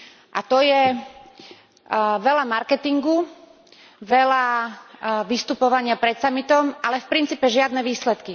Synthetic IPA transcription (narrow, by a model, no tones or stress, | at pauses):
ʔa̰t̪ɔjɛ | ʋɛlamaɾkɛt̪iŋɡu | ʋɛla | ʋist̪upɔʋaɲɪapɾɛt̪samit̪ɔmalɛfpɾint͡siːpɛʒɪad̪nɛʋiːslɛt̪ki